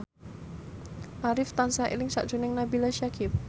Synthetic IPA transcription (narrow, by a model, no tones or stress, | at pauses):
ʔaɾɪft̪ansaʔḛlɪŋsa̰ʔd̥ʒ̥unɪŋnabilaʃiakʰɪp̚